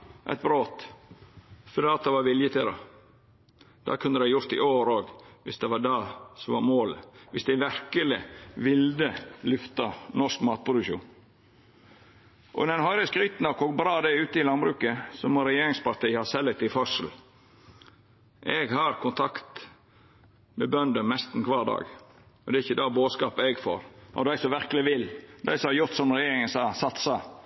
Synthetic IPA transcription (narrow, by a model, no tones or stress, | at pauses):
ʔɛ̰t̪̚bɾoːt̪ | fɔd̪eːɑt̪̚d̪ɛʋɑɾʋɪljət̪ʰɪd̪ɑ̰ | d̪̥ɑ̰kʰʉnd̪əd̪æɪjʊɾt̪ɪ̰ʔoːɾoːɡʋɪsd̪ɛʋɑɖɑːsɔmʋɑɾmoːləʋɪsd̪æʋæɾkəlɪʋɪld̪əlʉft̪ɑnɔʂkmɑːt̪̚pʰɾʊd̪ʉkʃṵːn | ʔɔ̰nɛnhɦɑɾəskɾʏːt̪nɑkɔɡbɾɑːd̪ɛʉːt̪əɪlɑnbɾʉːkəsɔmɔɾɛjeːɾɪŋspɑɾt̪ʰiːhɑsɛlːɛk̚t̪ɪfœʂəl̩ | ʔɛɡhɑɾkʰʊnt̪ʰɑkt̪ | mɛbœnd̪ənmɛst̪n̩kʰʋɑːɾdɑ̰ːɡ | ɔd̪ɛɪçːəd̪ɑːboːskɑːpɛɡfo̰ːɾɔ̰d̪æɪsɔʋæɾkəlɪʋɪld̪æ̰ɪsɔhɑɾjʊɾt̪sɔmɾɛjeːɾɪŋənsɑːsɑt̪sɑ